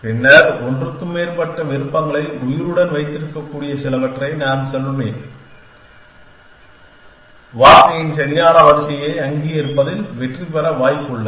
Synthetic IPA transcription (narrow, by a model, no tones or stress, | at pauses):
pɪnːɐɾɔndrɯkːɯmːeːrpɐʈːɐʋɪɾɯpːɐŋɡɐɭɐɪʊjɪɾɯɽɐnʋɐɪt̪ːɪɾɯkːɐkːuːɽɪjɐsɛlɐʋɐʈrɐɪnaːnsɐnɯmeː | ʋaːɾkɐjɪnsɛnjaːɾɐʋɐɾɪsɪjɐɪɐŋɡijɪɾɯpːɐðɪlʋɛʈripɐɾɐʋaːjɪkːɯɭːɐ